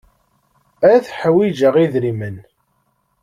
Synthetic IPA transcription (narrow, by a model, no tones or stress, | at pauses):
æθħwid͡ʒəʁiðɾimən